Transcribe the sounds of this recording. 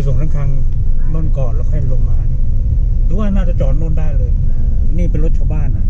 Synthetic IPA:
su˨˩˦ŋkʰa˥ŋkʰa˧ŋma˧˥˩nkɔː˨˩nla˧˩kʰa˧˩˨lo˧ŋmaː˧n˧pʰɔ˧˦waː˧˥˩naː˥˩t͡ɕa˨˩t͡ɕɔː˨˩t̪̚nuː˥˩daː˥˩jlɤː˧jniː˥˩pe˧nlɾo˦t̪̚t͡ɕʰa˧baː˥˩˨nːa˧˩

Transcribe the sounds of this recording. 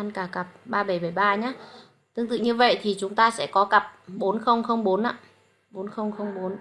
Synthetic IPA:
a˧nkaː˧˩ka˨˩p̚ɓaː˧ɓə˧˩jɓə˧˩jɓaː˧ɲaː˨˦ | t̪ɨ˧ŋt̪ɨ̰˧˨ŋɲɨ˧və̰˧˨jt̪ʰi˨˩t͡ɕʊ˨˦ŋ͡mt̪aː˧sɛ̰˧˥kɔ˨˦kə˨˩p̚ɓo˨˦nxə˧wŋ͡mxə˧wŋ͡mɓo˨˦nʔa̰ː˧˨ | ɓo˨˦nxə˧wŋ͡mxə˧wŋ͡mɓo˨˦n

